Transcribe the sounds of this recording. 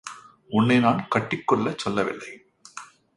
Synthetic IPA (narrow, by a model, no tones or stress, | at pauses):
ʔʊnːɐɪnaːnkɐʈːɪkːɔɭːɐt͡ʃːɔlːɐʋɪ̰lːɐɪ